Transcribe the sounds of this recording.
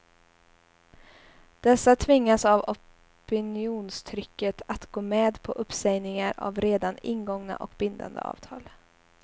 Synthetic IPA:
d̪̥ɛsːat̪ʰvɪŋːasavɔ | pɪnɪuːnst̪ʰɾʏkːət̪ʰat̪ɡoːmɛːd̪pʰɔʔɵpsɛjnɪŋaɾa̰vɾeːd̪anɪnɡɔŋna̰ʔɔkbɪnd̪a̰nd̪ə̰ɑ̰ːv̥t̪ʰɑːl

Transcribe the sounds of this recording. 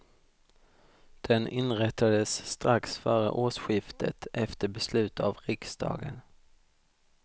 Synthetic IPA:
d̪̥ɛnʔɪnɾɛt̪ːad̪əsːt̪ɾaksfœːɾə̰ʔoːʂɧɪft̪ʰət̪ɛft̪əbɛslʉ̟ːt̪avɾɪksd̪ɑ̰ːɡə̰n

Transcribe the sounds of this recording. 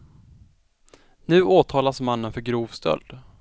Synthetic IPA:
nʉ̟ːʔoːt̪ʰɑːlasmanːənfœɾɡɾuːvst̪œ̰ld̪

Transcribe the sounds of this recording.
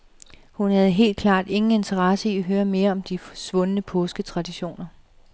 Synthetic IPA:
hunhæð̞̩ˠɦe̝̰ːld̥̚kʰlɑ̰̈ːd̥e̝ŋn̩e̝nt͡sʰɐʁɑ̈səiæɦøːɐme̝ːɐɒ̽md̥ifɒ̥sʋɔ̽nənəpʰɔ̽ːsɡ̥ət͡sʰʁɑ̈d̥iɕo̝̰ːnɐ

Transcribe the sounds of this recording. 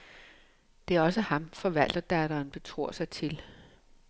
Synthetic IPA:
d̥e̝æɐɒ̽səhɑ̈mfɒ̽ʋæl̰d̥ɐd̥æɾɐːnb̥e̝t͡sʰʁo̝̰ɐ̰sɑ̈ɪt͡sʰe̝l

